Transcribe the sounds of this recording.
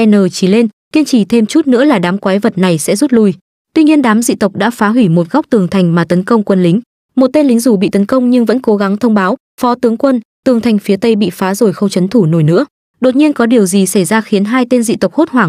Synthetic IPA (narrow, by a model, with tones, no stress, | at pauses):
ʔɛ˧nəː˨˩t͡ɕi˧˩le˧n | ki˧ənt͡ɕi˧˩t̪ʰe˧mt͡ɕu˦˥t̚nɨ̰˧˥əlaː˨˩ɗaː˨˦mkwaː˨˦jvə˨˩t̚na˨˩jsɛ̰˧˥zu˦˥t̚lu˧j | t̪wi˧ɲi˧ənɗaː˨˦mzḭ˧˨t̪ə˨˩k͡p̚ɗa̰ː˧˥faː˨˦ɦwi˧˩mo˨˩t̚ɣa˦˥wk͡p̚t̪ɨ˨˩əŋt̪ʰa˨˩jŋ̟maː˨˩t̪ə˨˦nkə˧wŋ͡mkwə˧nlï˨˦ŋ̟ | mo˨˩t̚t̪e˧nlï˨˦ŋzu˧˩ɓḭ˧˨t̪ə˨˦nkə˧wŋ͡mɲɨ˧ŋvə̰˧˥nko˨˦ɣa˨˦ŋt̪ʰə˧wŋ͡mɓaː˨˦w | fɔ˨˦t̪ɨ˨˦əŋkwə˧nt̪ɨ˨˩əŋt̪ʰa˨˩ŋ̟fi˨˦ət̪ə˧jɓḭ˧˨faː˨˦zo˧˩jxə˧wt͡ɕə˨˦nt̪ʰu˧˩no˧˩jnɨ̰˧˥ə | ɗo˨˩t̚ɲi˧ənkɔ˨˦ɗi˨˩əwzi˨˩sa˧˩jzaː˧xi˨˦ənɦaː˧jt̪e˧nzḭ˧˨t̪ə˨˩wk͡p̚ho˦˥t̚hwaː˧˩ŋ